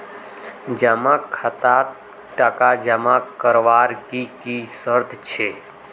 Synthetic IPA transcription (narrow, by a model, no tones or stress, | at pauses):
d͡ʒamãkʰːat̪a | ʈəkad͡ʒəmãkːəɾʋaɾkikisəɾd̪ʰʱt͡ʃʰe